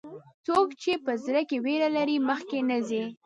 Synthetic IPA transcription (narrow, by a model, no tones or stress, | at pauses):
t͡sokt͡ʃepəzɾəkeweɾalaɾiməxkenəzi